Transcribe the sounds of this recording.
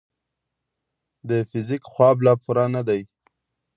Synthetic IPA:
d̪əfɪzikxwɑblɑpʰʊɾɑnad̪aj

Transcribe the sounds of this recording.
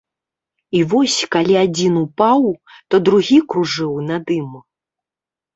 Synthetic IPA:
ivɔsʲkalʲiad͡zʲinupawt̪ɔd̪ɾuɣʲikɾuʐɨwnɐd̪ɨmu

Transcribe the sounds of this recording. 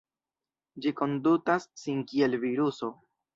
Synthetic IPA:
d͡ʒiko̞ndutasːinkie̞lviɾuso̞

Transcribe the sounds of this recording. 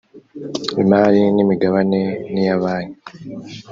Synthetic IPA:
ḭmaːlinimiɡaβanenijaβaːni

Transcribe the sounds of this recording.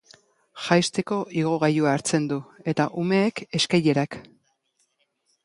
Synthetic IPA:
ʝajst̪e̞ko̞ʔiɣ̞o̞ɣajuaːɾt͡se̞nd̪ue̞t̪aʔume̞ːke̞skaje̞ɾak

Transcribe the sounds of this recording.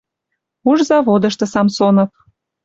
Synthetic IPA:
uʒzɑβod̪ə̆ʃt̪ɤ̆sɑmsonɤ̆p̚

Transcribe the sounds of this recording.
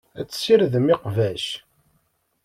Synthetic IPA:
æt͡sːsiɾðəmɪqvæʃ

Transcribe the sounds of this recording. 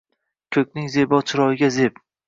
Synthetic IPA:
kʲʰɵkʲnɪŋzebɒt͡ʃʰɪɾɒɪɡʲazep

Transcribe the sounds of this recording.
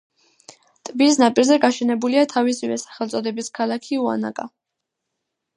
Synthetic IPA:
t̪ʼbisnapʼiɾzɛɡaʃɛnɛbuliat̪ʰavisivɛ̰sḁχɛlˠt̪sʼɔd̪ɛbiskʰalakʰiua̰na̰kʼa

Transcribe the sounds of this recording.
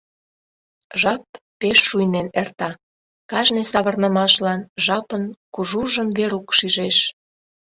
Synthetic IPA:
ʒɑpː | eʃːujnenert̪ɑ | kɑʒnesɑβə̆rnəmɑʃlɑnʒɑpənkuʒuʒəmveɾukʃiʒeʃ

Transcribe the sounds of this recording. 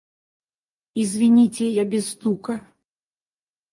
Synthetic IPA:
izʲvʲinʲit͡sʲɛjabʲɛst̪ukɐ

